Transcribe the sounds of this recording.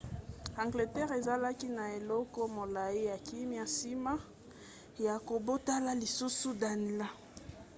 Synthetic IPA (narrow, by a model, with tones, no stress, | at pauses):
ã˨ŋɡle˨tɛ˦ʁe˨za˦la˦ki˦na˨e˨lɔ˦kɔ˦mo˨la˨i˦ja˨ki˦mi˦a˨si˦ma˦ | ja˨ko˨bo˦ta˦la˦li˨su˦su˦da˨ni˨la˦